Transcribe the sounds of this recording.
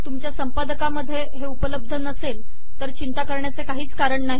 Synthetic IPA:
t̪umt͡ɕjasəmpad̪əkaməd̪ʱːjeɦeupələb̚d̪ʱənəsel | t̪əɾt͡ɕint̪akəɾɳjat͡sekaɦiːt͡skaɾəɳnaɦi

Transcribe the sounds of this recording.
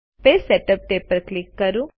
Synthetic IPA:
pesɛʈəp̚ʈ̪epəɾklɪkːɐɾũ

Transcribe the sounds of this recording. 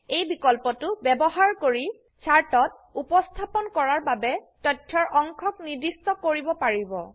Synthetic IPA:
ejbikɔlpɔtʊbɛbɔɦaɹkoɹi | t͡ʃʰaɹtɔt̚ | upɔstʰapɔnkɔɹaɹbabɛtɔtʰːɔɹʔɔŋkʰɔkniɹdistɔkoɹibɔpaɹibɔ̰

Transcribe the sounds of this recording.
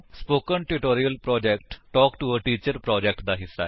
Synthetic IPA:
spoːkənʈuʈoːɾijəlpɾɔːd͡ʒɛːkʈʈɔːkʈuəʈiːt͡ʃəɾpɾɔːd͡ʒɛk̚ʈ̚d̪aːɦɪsːa̰ɛ

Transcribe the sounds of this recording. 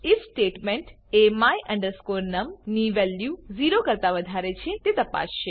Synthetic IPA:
ɪfsʈeːʈmeɳʈemajʔɐ̃ɳɖəɾskoːɾnɐmniʋɛljuziːɾokəɾt̪aʋəd̪ʱaɾet͡ʃʰet̪et̪ɐpa̰sʃe

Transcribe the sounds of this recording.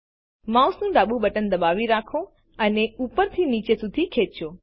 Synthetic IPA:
mausnũɖaɓũbəʈənd̪əbaʋiɾakʰõ | əneupəɾt̪ʰinit͡ʃesud̪ʱikʰet͡ʃõ

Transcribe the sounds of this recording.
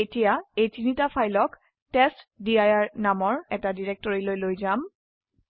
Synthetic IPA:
etijaejtinitapʰajlɔk | tɛstdiajaɹnamɔɹɛtadiɹɛk̚tɔɹilojlojzam

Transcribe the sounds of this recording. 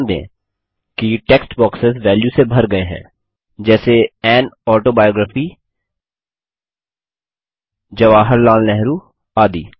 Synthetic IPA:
nd̪ḛ̃ː | kiʈeːksʈbɔːksɪzʋɛːljusebʱɐɾɡɐeɦɛ̰̃ː | d͡ʒɛːseɛːnɔːʈoːbaːjoːɡɾəːfi | d͡ʒɐʋaːɦəɾlaːlnɛɦɾuː | aːd̪ḭː

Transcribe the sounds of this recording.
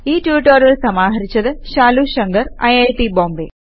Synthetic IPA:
iːʈjuːʈːoɾiɭsɐmaːɦɐɾit͡ɕːɐðɨʃaːluɕɐŋɡɐɾɐ̰jɐjʈiboːmbe

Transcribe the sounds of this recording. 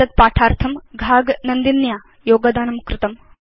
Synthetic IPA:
ɐt̪̚paːʈʰaːɾt̪ʰɐmɡʱaːɡnɐnd̪injaː | joːɡɐd̪aːnɐmkɾɪt̪ɐm

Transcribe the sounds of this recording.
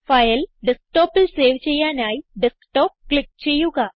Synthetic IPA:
fajəlɖəsk̚ʈɔpəlseʋt͡ɕejanajɖəskʈɔp̚klik̚t͡ɕijuɡa

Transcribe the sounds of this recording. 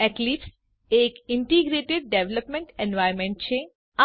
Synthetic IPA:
ɛklips | eːkɪɳʈiɡɾeːʈeɖ̚ɖeʋləpmẽɳʈẽnʋajɾmẽɳʈ̚t͡ʃʰe | a

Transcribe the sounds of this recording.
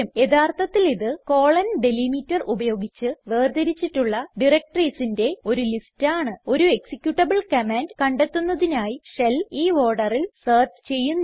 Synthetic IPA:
ɐme̞ðaːrt̪ʰɐt̪ːiliðɨko̞ːɭɐnɖelimitːɐrubɐjo̞ːɡit͡ɕːɨʋeːrd̪ɐɾit͡ɕːiʈːuɭːɐɖirek̚ʈriːsinde̞o̞ɾulistaːɳɨo̞ɾue̞ksikʲːjuʈːɐbɨɭkɐmaːndkɐɳɖet̪ːunːɐðinaːjiʂɐliːo̞ːɖɐrilsɐːrt͡ɕt͡ɕe̞jːunː

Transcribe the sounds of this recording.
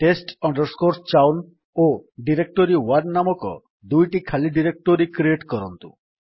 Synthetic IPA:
ʈesʈɔɳɖɔɾskoɾst͡ʃawn | oɖiɾek̚ʈoɾiwaɾnamɔkɔ̰ | d̪ujʈikʰaliɖiɾek̚ʈoɾikɾieʈkɔɾɔnt̪ṵ

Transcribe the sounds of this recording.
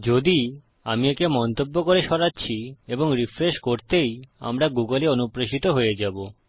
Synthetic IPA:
d͡ʑod̪i | amiekemɔnt̪obːokoɾeʃɔɾatːɕʰieboŋɾifɾeʃkoɾt̪eja̰mɾaɡuɡoleonupɾeʃit̪oɦojed͡ʑabo

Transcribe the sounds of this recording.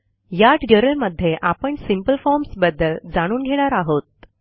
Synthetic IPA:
jaʈəɾəlməd̪ʱːjeʔapəɳsimpəlfɔɾmsbəd̪ːəld͡zaɽ̃uːnɡʱeɽ̃aɾaɦot̪̚

